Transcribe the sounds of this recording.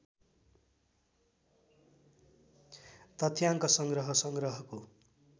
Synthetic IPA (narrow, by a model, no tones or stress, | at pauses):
t̪ʌt̪ʰjaŋkʌsʌŋɡrʌɦʌsʌŋɡrʌɦʌko